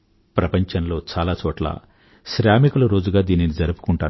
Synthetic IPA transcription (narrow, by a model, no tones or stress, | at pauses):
pɾɐpɐɲt͡ʃɐnlo̞ːt͡ʃaːlaːt͡ʃɔːʈla̰ː | ʃɾjaːmikulɐɾo̞ːd͡ʒuɡaːd̪iːninid͡ʒɐɾupu̥kuɳʈaː